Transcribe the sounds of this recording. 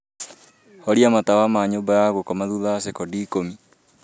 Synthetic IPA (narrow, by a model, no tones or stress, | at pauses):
hɔɾiamatawamaːɲobajaɣokɔmaðuðasekɔdiːkomi